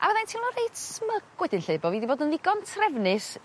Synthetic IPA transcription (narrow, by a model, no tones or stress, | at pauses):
ʔa̰vɛðantʰiwnlɔɾejd̥sməɡ̥wɛdɪnɬeɨbɔviːdiboːdənviɡɔntʰrɛvnɨs